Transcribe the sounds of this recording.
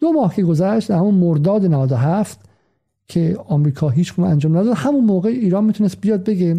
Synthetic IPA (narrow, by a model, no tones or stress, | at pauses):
d̪̥omɒːhcʰe̞ɡozæʃt̪æhmunmoɾd̪ɒːd̪enævæd̪oɦæft̪ | cʰeɒːmɾiːkʰɒːɦiːt͡ʃʰɡunænd͡ʒɒːmnæd̪ɒːd̪hæmunmoːɣeiːɾɒːnmit̪unest̪̚bijɒːd̪̚be̞ɡe